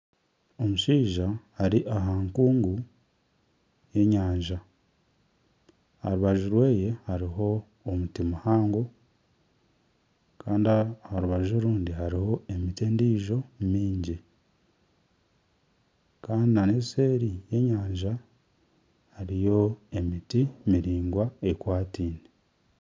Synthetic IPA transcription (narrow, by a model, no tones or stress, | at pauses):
o̞muʃiːʒahaɾiʔaɦaːŋkuːŋɡu | je̞ɲaːɲʒa | ha̰ɾuβaʒuɾwe̞ːje̞haɾiɦo̞ː | mutimuhaːŋɡo̞ | kʰaːndiahaɾuβaʒoɾuːndihaɾiho̞e̞miteːndiːʒo̞mmiːɲɟi | kaːndinaneseːɾije̞ɲaːɲʒa | haɾijo̞e̞mitimiɾiːŋɡwae̞kwaːtiːne